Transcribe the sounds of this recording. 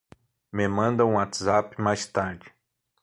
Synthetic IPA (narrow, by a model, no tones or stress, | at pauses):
memɐ̃nd̪ɐ̃ũat̪zapɪmajst̪aɾd͡ʒɪ